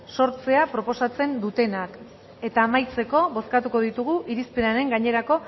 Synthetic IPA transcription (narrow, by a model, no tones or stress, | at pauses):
so̞ɾt͡se̞apɾo̞po̞sat͡se̞nd̪ut̪e̞nak | e̞t̪aːmajt͡se̞ko̞βo̞skat̪uko̞ðit̪uɣ̞uʔiɾispe̞naɾe̞ŋɡaɲe̞ɾako̞